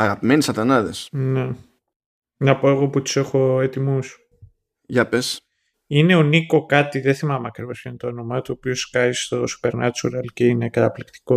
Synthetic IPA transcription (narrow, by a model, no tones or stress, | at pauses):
ɐɣɐpimenisɐt̪ɐnɐðḛsne | nɐpo̞e̞ɣoput̪u̥se̞xo̞et̪imus | ʝɐpes | ine̞oniko̞kɐt̪iðeθimɐmeɐkɾivɐskent̪oonomɐt̪uopioskɐist̪o̞su̥pe̞ɾnɐt͡ʃuɾɐlceine̞kɐt̪ɐplikt̪i̥ko̞